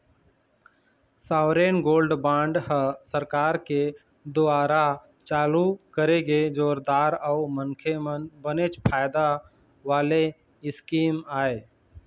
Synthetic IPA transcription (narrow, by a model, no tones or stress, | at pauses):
saːʋɾeːnɡoːlɖbãːɳɖɦəsəɾkaːɾke | d̪ʊaːɾa | t͡ʃaːlukəɾeɡed͡ʒoːɾd̪aːɾəʊmənkʰebənet͡ʃpʰaːɪd̪a | ʋaːle | ɪskiːmaːeː